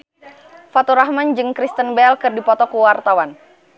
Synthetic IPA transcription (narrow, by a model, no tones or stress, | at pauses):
fat̪uɾahmand͡ʒɨŋkɾist̪ənbɛlkɨrdipɔt̪ɔkuwart̪awan